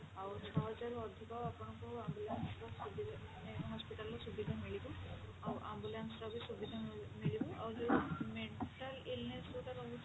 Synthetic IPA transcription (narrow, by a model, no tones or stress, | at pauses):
awɾt͡ʃʰɔɦɔd͡ʒaɾuɔd̪ʱikɔwapɔɳ̃ɔkɔwambulansɾasubʱiɦɔspiʈalːasubʱid̪ʱamiɭibuawɾʔambulansɾabʱisubʱid̪ʱamiɭibuawd͡ʒomeɳʈalilnesuʈalɔu